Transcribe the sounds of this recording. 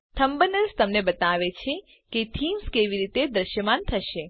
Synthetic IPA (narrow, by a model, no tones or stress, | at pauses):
t̪ʰəmbənəɾst̪əmnebət̪aʋet͡ʃʰe | ket̪ʰimskeʋiɾit̪ed̪ɾəʃjəmant̪ʰəʃe